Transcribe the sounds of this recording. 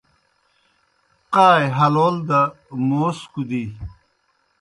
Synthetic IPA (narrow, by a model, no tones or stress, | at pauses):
qaːjɦɐloːld̪ɐ | moːskud̪i